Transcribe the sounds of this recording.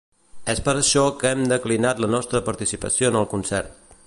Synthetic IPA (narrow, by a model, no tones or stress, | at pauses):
ɛspəɾəʃɔkɛmd̪əklinat̪lənɔst̪ɾəpəɾt̪isipə̰sionəlˠkunsɛɾt̪̚